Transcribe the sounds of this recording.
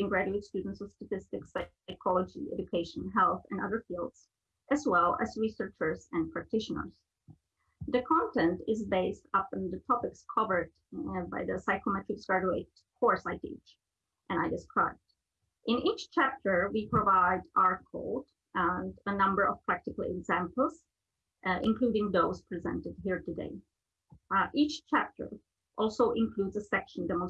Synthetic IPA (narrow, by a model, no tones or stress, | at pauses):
ɪ̃ŋɡɹæd͡ʒʉɪtstʉdⁿn̩tsʌvstətɪstɨksa | ɪkʰɔlˠəd͡ʒḭɛ̰d͡ʒukʰeɪʃə̃nɦɛlˠθɨ̃nʌðə˞filˠdz̥ | ʔɨzwɛlˠæ̰zɹisə˞t͡ʃə˞zɨ̃npʰɹ̥æk̚tɪʃənə̰˞z̥ | ðɨkʰɑ̃ntɛ̃ntɪzbeɪstʌpn̩ðətʰɑpɪkskʰʌvə˞d | baɪðɨsaɪkomɛtɹɨksɡ̥ɹæd͡ʒueɪt | hɔɹsaɪtḭd͡ʒ | ʔɨ̃naɪdɪskʰɹaɪb̚d | ʔɪ̃nit͡ʃt͡ʃʰæp̚tʰə˞wipɹovaɪdʔɑɹt̚kʰo̰ʊd | ʔə̃ndənʌ̃mbə˞ʔɔ̰v̥pʰɹ̥æk̚tɪkəl̩ˠɛ̰ɡzæ̃mpl̩ˠz | ʔɪ̰̃nkʰl̥uɾɪ̃ŋðoʊspʰɹizɛ̰̃ntɨd̚ɦiɹtɨdḛɪ | ʔit͡ʃt͡ʃʰæp̚tʰə̰˞ | ʔɔlˠsoʊʔɪ̃nkʰl̥udzəsɛkʃə̃n̩dɛmõ